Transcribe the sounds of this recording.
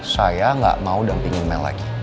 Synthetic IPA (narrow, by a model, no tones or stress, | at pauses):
sajaŋɡa̰ʔmaudaŋpiŋɪnmanla̰ɡi